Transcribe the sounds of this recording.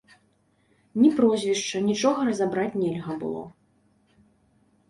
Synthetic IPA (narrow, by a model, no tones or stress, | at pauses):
nʲipɾɔzʲvʲiʂt͡ʂɐnʲit͡ʂɔɣɐɾɐzabɾat͡sʲnʲɛlʲɣɐbɨ̰lˠɔ̰